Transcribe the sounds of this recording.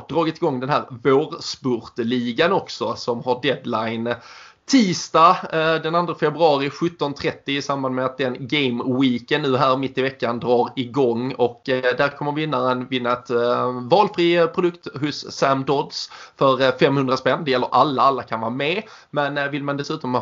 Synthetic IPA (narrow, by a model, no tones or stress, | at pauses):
d̪ɾɑːɡɪt̪ɪɡɔŋːd̪ɛnɦæːɾvoːɾspɔɾt̪liːɡanɔksɔsɔmhaɖɛd̪lajn | t̪ʰiːst̪ɑd̪ɛnand̪ɾafɛbɾɵɑːɾɪɧɵt̪ːɔnt̪ʰɾɛt̪ːɪɪsamband̪mɛat̪̚d̪ɛnɡɛɪmwiːkənːʉ̟ːɦæːɾmɪt̪ːɪvɛkːand̪ɾɑːɾɪɡɔŋːɔkd̪æɾkʰɔmːəɾvɪnːaɾənvɪnːaɛt̪vɑːlfɾiːpʰɾʊd̪ɵkt̪ɦʊsːæmd̪ɔd̪sfœɾfɛmhɵnɾaspɛnːd̪ɛjɛlːəɾʔalːaalːakʰanvɑːmɛ | mɛnvɪlmand̪ɛsʉ̟ːt̪ɔm